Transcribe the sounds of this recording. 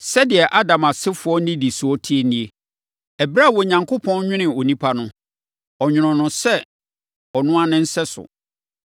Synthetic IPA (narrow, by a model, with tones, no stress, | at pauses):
sɛ˦dɪ˨ɛ˨ʔa˦dã˨ma˨sɪ˦fʊ˨˦ɔ˦nɪ̃˦di˨sʊ˨˦ɔ˦tʰi˦e˦nĩ˦e˦ | ɛ˨bɾa˦˨wɔ˨ɲã˨ŋkʰo˦pʰɔ̃˦nɲᶣɪ̃˦nɪ̃˨o˨nĩ˦pʰa˦nʊ̃˦ | ɔ˨ɲᶣʊ̃˨ɾ̃ʊ̃˨nʊ̃˨sɛ˦ | ɔ˨nʊ̃˦a˦nɪ̃˦n̩˦sɛ˦sʊ̰˨